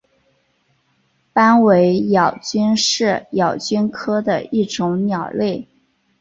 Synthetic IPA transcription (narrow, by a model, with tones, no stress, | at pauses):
pa˥nwe˧˥ɪjɑ˨˩ʊt͡ɕy˥nʂɻ̩˥˩jɑ˨˩ʊt͡ɕy˥nkʰɤ˥d̪ə̰˨i˥˩ʈ͡ʂʊ˧˥ŋnjɑ˨˩ʊle˥˩ɪ